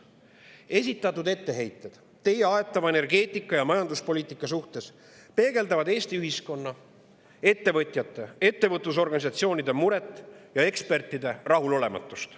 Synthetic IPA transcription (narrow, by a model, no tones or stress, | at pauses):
e̞s̬ʲit̪ːˑɑt̪ːˑud̪e̞t̪ːe̞ɦe̞jt̪ːˑe̞d̪̥ | t̪ːe̞jeɑe̞t̪ːˑɑvɑe̞ne̞rɡe̞ːt̪ˑikˑːɑjɑmɑjɑnd̪uspo̞liːt̪ˑikːˑɑsuht̪e̞s | pe̞ːɡ̥e̞ld̪ɑvɑd̪e̞ːst̪iyɦisko̞nːɑ | e̞t̪ːe̞vɤt̪ˑjɑt̪ːe̞e̞t̪ːe̞vɤt̪ˑːus̬o̞rɡ̥ɑnisɑt̪sio̞ːnid̪e̞muɾe̞t̪ːˑjɑe̞kspe̞rt̪ːˑid̪e̞rɑɦulo̞le̞mɑ̰t̪ːˑust̪